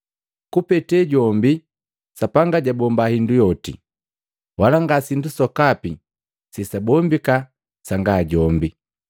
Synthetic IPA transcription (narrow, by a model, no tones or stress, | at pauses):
kupɛtɛɟɔmbi | sapaŋɡaɟabɔmbahindujɔtḭ | walaŋɡasindusɔkapi | sisabɔmbika | saŋɡaɟɔmbi